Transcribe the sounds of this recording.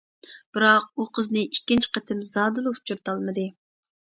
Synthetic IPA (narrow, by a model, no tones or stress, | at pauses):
b̥ɪɾɑq̚uqʰəznɨʔikʲːint͡ʃʰɪ̥qɛt̪ʰɪmzɑːd̪ɨlˠɨu̥t͡ʃʰuɾt̪ʰɑlˠmɨd̪ɨ